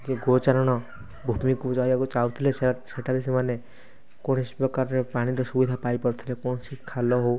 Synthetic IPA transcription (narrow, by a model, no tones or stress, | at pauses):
d͡ʒeɡot͡ʃaɾɔɽ̃ɔ | bʱumikud͡ʒɔjbakut͡ʃawt̪ʰilesseʈʰaɾis̬emane | koɽ̃ispɾɔkaɾɔɾepaɽ̃iɾɔsubid̪ʱapajpɔɾɔt̪ʰilekɔɽ̃ɔsikʰalɔɦow